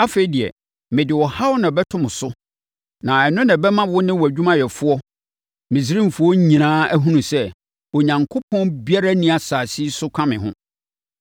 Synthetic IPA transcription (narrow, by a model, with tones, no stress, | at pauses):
a˦fe˨i˨di˨ɛ̰˨ | mɪ̃˨dɪ˨wɔ˨ha˦wʊ˦nã˨bɛ˦tʰʊ̃˦mʊ̃˨sʊ˦ | nã˨ɛ˨nʊ̃˦nã˨bɛ˦mã˦wʊ˦nɪ̃˦wɔ˨æ˨d͡ʑᶣũ˦mã˦jɛ˨fʊ˦ɔ˦ | mĩ˨s̬i˦ɾĩ˦m̩˨fʊ˨˦ɔ˦ɲĩ˨nãː˦æ˦ɦũ˦nũ˨sɛ˦ | ɔ˨ɲã˨ŋkʰo˦pʰɔ̃˦nbi˦a˦ɾa˦nĩ˦a˨saː˨si˦sʊ˦kʷʰã˦mɪ̰̃˨ɦʊ̰̃˦